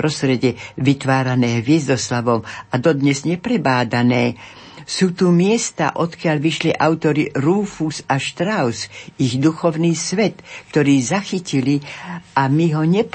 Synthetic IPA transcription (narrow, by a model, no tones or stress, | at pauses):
ɾɔst̪ɾɛɟɛʋit̪ʋaːɾanɛːɦʋɪɛzd̪ɔslaʋɔmad̪ɔd̪ɲɛzɲɛpɾɛbaːd̪anɛː | suːt̪umɪɛst̪a̰ʔɔt̪kɪaʎʋiʃliʔaʊt̪ɔɾiɾuːfusaʃt̪ɾaʊsiɣd̪uxɔʊniːsʋɛt̪kt̪ɔɾiːzaxiciliʔamiɦɔɲɛp